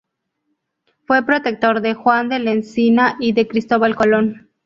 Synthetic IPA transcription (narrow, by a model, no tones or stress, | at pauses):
fwe̞pɾo̞t̪e̞k̚t̪o̞ɾðe̞xwand̪e̞lensinaʔiðe̞kɾist̪o̞βalkolon